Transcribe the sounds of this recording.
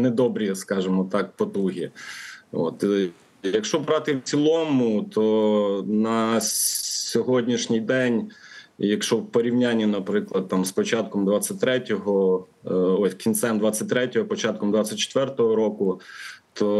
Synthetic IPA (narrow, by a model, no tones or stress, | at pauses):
nɛd̪ɔbɾʲiskɑʒemɔt̪ɑk̚pɔt̪uɦʲi | o̰t̪ | jɐkʃɔbɾɑt̪ɪwt͡sʲilˠɔmʊt̪ʰɔnɐ | sʲɔɦɔdʲnʲiʃnʲɪjd̪ɛnʲjɐkʃɔwpɔɾʲiwnʲanʲːinɐpɾɪklˠɐd̪̚t̪ɑmspɔt͡ʃɑt̪̚kɔmd̪ʋɑt͡sʲːɐtʲt̪ɾɛtʲɔɦɔ | ɔt̪kʲint̪sɛmd̪ʋɑt͡sʲːɐtʲt̪ɾɛtʲɔɦɔpɔt͡ʃɑt̪̚kɔmd̪ʋɑt͡sʲːɐt̚ʲt͡ʃːe̥t̪ʋɛrt̪ɔɦɔɾɔkʊt̪ʰɔ